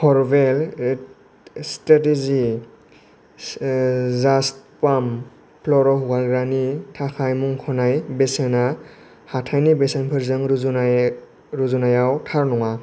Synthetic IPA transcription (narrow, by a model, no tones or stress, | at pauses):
hʰɔɹbel | statezi | zastpam | pʰlɔɾɔhuɡalɡɾanitʰakʰajmuŋkʰɔnajbesena | hatʰajnibesenpʰɯɾzɯŋ | ɾuzunajawtʰaɾnɔŋa